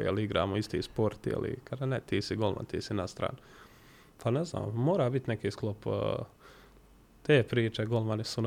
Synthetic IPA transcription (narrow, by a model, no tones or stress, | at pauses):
jḛliiɡɾa̰ːmoist̪ḭːspoɾt̪jḛlḭkʰad̪anet̪iːsiɡo̞lma̰nt̪ḭːsinast̪ɾa̰ːn | pʰanezna̰ːmmoːɾaːbit̪nekiːsklˠopː | t̪eːpɾiːt͡ʃeɡolˠmanisun